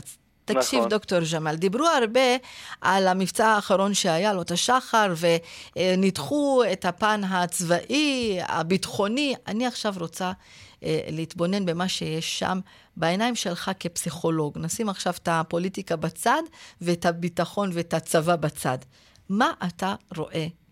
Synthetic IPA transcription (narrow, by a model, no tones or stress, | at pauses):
t̪akʃivd̪okto̞ʁʒamald̪ibʁuaʁbe̞ʔalamift͡saaːχaʁo̞nʃeajalot̪aʃaχaʁve̞nitχuethapanɦat͡svaʔia̰bitχo̞nia̰niaχʃavʁot͡sa | leitbo̞ne̞nbe̞maʃe̞jeʃːa̰m | baenajmʃe̞lχake̞psiχo̞lo̞ɡnasimaχʃavt̪apo̞litikabat͡sadvetabitaχo̞nve̞tat͡savabat͡sa̰d | maʔataʁo̞̰ʔe̞